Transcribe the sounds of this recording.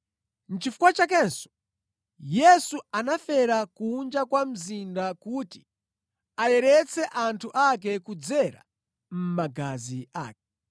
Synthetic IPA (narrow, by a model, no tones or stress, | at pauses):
n̩t͡ʃifu̥kwat͡ʃakɛnsɔ̥ | jɛsuanafɛɾakuːnd͡ʒakwam̩zindakuti | ajɛɾɛt͡sʰɛʔantʰuʔak̬ɛkud͡zɛɾa̰ | m̩maɡazia̰ːkɛ